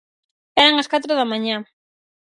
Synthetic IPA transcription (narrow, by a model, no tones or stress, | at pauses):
ɛɾɐŋɐskat̪ɾʊðɐmãɲã